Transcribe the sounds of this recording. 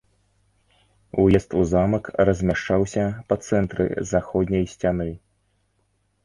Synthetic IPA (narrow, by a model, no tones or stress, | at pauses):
ujɛst̪uzamɐkrɐzʲmʲaʂt͡ʂawsʲɐpɐt̪sɛnt̪ɾɨ̰zaxɔd̪ʲnʲɐjsʲt͡sʲanɨ